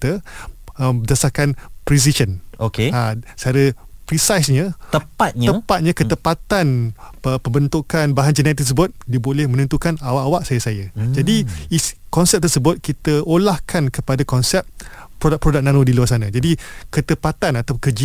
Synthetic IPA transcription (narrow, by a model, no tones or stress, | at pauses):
t̪ə | d͡ʒasahkanpɾis̬iʃənokeasəaɾə | pɾisajsɲãəpat̪̚ɲəpat̪̚ɲakət̪əpat̪anpəmbənt̪ukanbaɦand͡ʒənajat̪ːərs̬əbʊt̪̚diəbolɛhmə̃nənt̪ukanawaʔawaʔsajasajad͡ʒadiikɔnsɛp̚t̪ərsəbʊt̪̚kit̪əolahkʰankəpadakɔnsɛp̚ | pɾodaʔ̚pɾodak̚nãnodiluasanãd͡ʒadikət̪əpat̪anat̪awkəd͡ʒi